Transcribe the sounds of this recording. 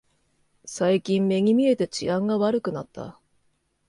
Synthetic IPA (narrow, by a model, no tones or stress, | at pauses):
saikʲĩmme̞ŋ̟ʲimʲie̞t̪e̞t͡ɕḭãŋɡaβaɾɯ̟kɯ̟nat̪ːa̰